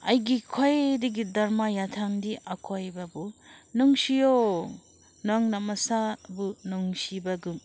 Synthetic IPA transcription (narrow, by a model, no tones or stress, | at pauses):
ɐjɡikʰojdiɡidɐɾmajatʰandiʔakʰojbabunɔŋsijo | nɔŋnamɐsabunuŋsibaɡum